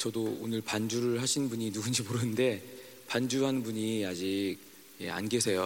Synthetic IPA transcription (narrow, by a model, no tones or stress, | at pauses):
t͡ɕʌdoonɯɭpand͡ʑuɾɯɭɦaɕʰinnbuɲinuɡund͡ʑimoɾɯnɯnde̞ | pand͡ʑuɦanɯnbuɲiad͡ʑiɡ̚ | jḛa̰nɡesʰe̞jo